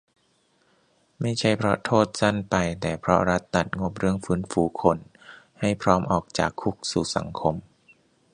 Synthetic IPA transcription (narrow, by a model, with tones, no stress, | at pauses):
ma˥˩jt͡ɕʰa˦˥˩jpʰɾɔ̰˦˥t̪ʰoː˥˩t̪̚sa˥˩npa˧jt̪ɛː˨˩pʰɾɔ̰˦˥ɾa˦˥t̪ːa˨˩t̪̚ŋo˦˥p̚ɾɯ˥˩əŋfɯː˦˥nfuː˩˦kʰo˧nha˥˩jpʰɾɔː˦˥mʔɔː˨˩k̚t͡ɕa̰ː˨˩kʰːu˦˥k̚suː˨˩sa̰˩˦ŋkʰo˧m